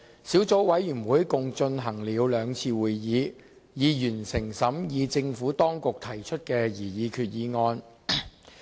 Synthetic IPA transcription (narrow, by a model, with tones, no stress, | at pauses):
siː˨˥wt͡so˨˥wwɐ˨˥jːyː˨˩nwuː˨˥jkʊ˨˧ŋt͡ʃɵ˧nɦɐ˨˩ŋliː˨˧wlœː˨˧ŋt͡sʰiː˧wuː˨jjiː˨˧ | jiː˨˧jyː˨˩nsɪ˨˩ŋsɐ˨˥mjiː˨˧t͡sɪ˧ŋfuː˨˥t̪ɔː˥ŋkʊ˨k̚t̪ʰɐ˨˩jt͡ʃʰɵ˥t̚kɛː˧jiː˨˩jiː˨˧kʰyː˨t̚jiː˨˥ŋɔː˧n